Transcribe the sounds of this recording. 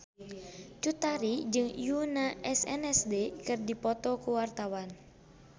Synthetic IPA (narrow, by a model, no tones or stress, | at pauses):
t͡ʃut̪aɾid͡ʒɨŋjunaɛsɛ̰nɛsdekɨrdipɔt̪ɔkuwart̪awan